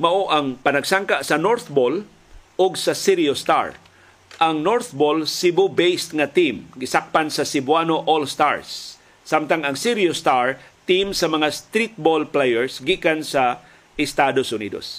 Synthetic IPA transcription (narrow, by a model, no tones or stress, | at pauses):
mɐʔoʔɐŋpɐnɐɡsaŋkaʔsɐnoɹθbol | ʔʊɡsɐsiɾjost̪a̰ɹ | ʔɐŋnoɹθbolsibʊbejst̪ŋat̪imɡɪsak̚pansɐsɪbwanoʔolst̪a̰ɹsː | amt̪aŋɐŋsɪɾjost̪aɹt̪imsɐmɐŋast̪ɾit̪̚bolplejɛɹsɡikansa | ɪst̪ad̪osʔʊnḭːd̪o̰s